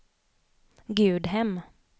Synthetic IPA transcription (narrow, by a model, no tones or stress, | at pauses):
ɡʉːd̪ɦɛm